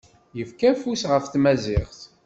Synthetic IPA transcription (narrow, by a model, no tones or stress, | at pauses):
jəfkæfusʁəfθmæzɪχθ